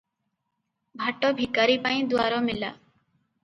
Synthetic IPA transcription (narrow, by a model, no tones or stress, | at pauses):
bʱaʈːɔbʱikaɾipaĩd̪uaɾɔmila̰